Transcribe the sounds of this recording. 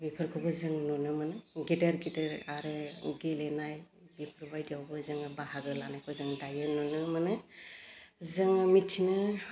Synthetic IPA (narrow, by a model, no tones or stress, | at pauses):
bipʰɯɾkʰɯbɯzɯŋnɔnɯmanɯɡidaɾɡidəɾaɾɯɡilenaj | bipʰɾbajdiawbɯzɯŋɯbahaɡɯlanajkʰɯzɯŋdajɯnɔnɯmanɯ | zɯŋmitʰːinɯ